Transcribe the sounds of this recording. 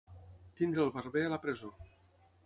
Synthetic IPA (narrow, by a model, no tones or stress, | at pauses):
t̪ind̪ɾəlˠβərβeələpɾəzo